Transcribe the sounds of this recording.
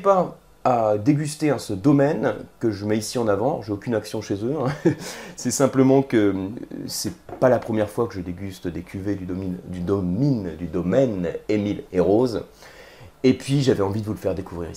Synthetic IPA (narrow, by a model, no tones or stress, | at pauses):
pa | ad̪eɡʲyst̪eɑ̃səd̪ɔmɛnkəʒəmɛisiɑ̃navɑ̃ʒeokʲynaksjɔ̃ʃezøɛ̃sɛsɛ̃pləmɑ̃kəsɛpalapχəmjɛʁfwakəʒəd̪eɡʲyst̪d̪ekʲʰyved̪ymind̪yd̪ɔmind̪yd̪ɔmɛnemileʁoz | epɥiʒavɛɑ̃vid̪əvuləfɛʁd̪ekuvʁḭʁ